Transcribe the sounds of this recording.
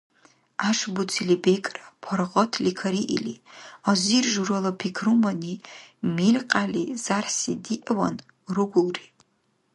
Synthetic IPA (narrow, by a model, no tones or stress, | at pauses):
aʂbut͡sʰilibekʼrapʰarʁɔtʰlikʰaɾiʔḭliazirʒuɾalapʰikʰrumanimilʲqʼalizarsḭdiʔawa̰n | rɨɡʷʊlri